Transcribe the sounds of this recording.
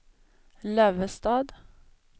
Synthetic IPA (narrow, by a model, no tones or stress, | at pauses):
lœːʋəst̪ɑːd̪